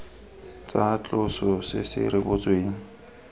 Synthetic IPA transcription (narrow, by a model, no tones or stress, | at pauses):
t͡sʼat͡ɬʼʊsɔsɪ̰sɪ̰rɪbʊt͡sʼweːŋ̩